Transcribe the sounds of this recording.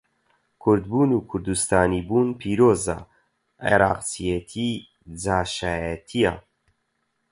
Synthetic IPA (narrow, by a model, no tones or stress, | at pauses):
kʰʊɾd̪buːnuːkʰʊɾd̪ust̪aːnibuːnpʰiːɾoːza̰ | ḛɾa̰ːqt͡sijet̪ʰi | d͡zaːʃaːjɛt̪ʰija̰